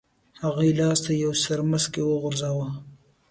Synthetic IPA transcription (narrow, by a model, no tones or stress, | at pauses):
haɣilɑːst̪ajowsɐɾmɐskewoɣʊɾzaːwa